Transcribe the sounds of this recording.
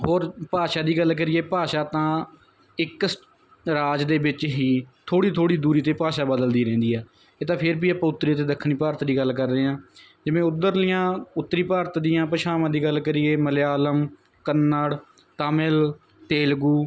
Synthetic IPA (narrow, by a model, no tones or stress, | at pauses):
ɦoːɾpaːʃaːd̪iːɡəlk̬əɾɪːeːpaːʃaːt̪ãː | ɪk | ɾaːd͡ʒd̪eːʋɪt͡ʃɦiːt̪ʰoːɽiːt̪ʰoːɽiːd̪uːɾiːt̪eːpaːʃaːbəd̪əld̪iːɾɛ̃ːnd̪iːɦɛː | eːt̪ãːpʰɪɾbiːapãːʊt̪ːɾiːt̪eːd̪əkʰːɳiːpaːɾt̪d̪iːɡəlkəɾd̪eːãː | d͡ʒɪʋẽːʊd̪əɾlɪjãːʊt̪ːɾiːpaːɾt̪d̪ɪjãːpəʃʰaːmãːd̪iːɡəlkəɾɪːeːməleaːləm | kənːaəɽ | t̪aːmɪl | t̪eːlɡuː